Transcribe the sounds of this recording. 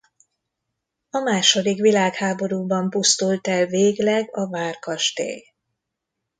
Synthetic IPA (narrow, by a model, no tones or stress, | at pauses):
ɒmaːʃo̞d̪ikʋilaːkhaːbo̞ɾuːbɒmpust̪ult̪ɛlveːɡlɛɡɒvaːrkɒʃt̪ḛːj